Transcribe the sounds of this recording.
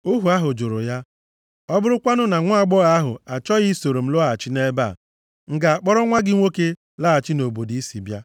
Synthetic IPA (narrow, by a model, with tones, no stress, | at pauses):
u˦ɦu˨a˦ɦʊ˨d͡ʒʊ˨ɾʊ̰˨ja˦ | ɔ˦bʊ˦ɾʊ˦kʷa˦nʊ˦na˨ŋʷʊ˦a˨ɡ͡bɔ˦ɣa˦ɦʊ̰˨a˨t͡ʃɔ˦ɣɪ˦so˨ɾo˨m̩˦lʊ˦a˨t͡ʃɪ˦ne˦ba̰˦˨ | ŋ̩˨ɡa˨a˨k͡pɔ˦ɾɔ˦ŋʷa˦ɡɪ˦ŋʷo˦ke˦ | laː˦a˨t͡ʃɪ˦no˨bo˨di˦i˦sḭ˨bja˦